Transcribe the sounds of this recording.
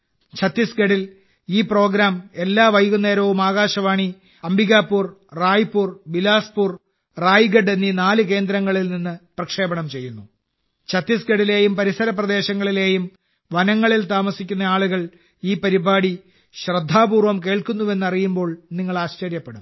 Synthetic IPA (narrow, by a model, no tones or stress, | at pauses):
t͡ɕʰɐt̪ːisɡɐɽil | iːpro̞ːɡɾaːme̞lːaːʋɐjɣunːe̞ːɾɐʋumaːɣaːɕɐʋaːɳi | ɐmbiɣaːpːuːrraːjipːuːrbilaːspuːr | raːjɡɐɖenːiːnaːlɨke̞ːnd̪ɾɐŋːɐɭilninːɨprɐkʂe̞ːbɐɳɐmt͡ɕe̞jːunːu | t͡ɕʰɐt̪ːisɡeɽile̞ːjumpɐɾisɐɾɐprɐd̪e̞ːɕɐŋːɐɭile̞ːjum | ʋɐnɐŋːɐɭilt̪aːmɐsikʲːunːɐaːɭuɣɐɭ | iːpɐɾibaːɽi | ɕrɐd̪ʱːaːbuːrʋɐmke̞ːɭkunːuʋe̞nːɐrijumbo̞ːɭniŋːɐɭaːɕt͡ɕɐɾjɐpːeɽum